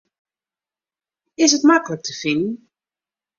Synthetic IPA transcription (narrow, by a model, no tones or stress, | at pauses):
ɪsətmaklək̚tʰəfɪnn̩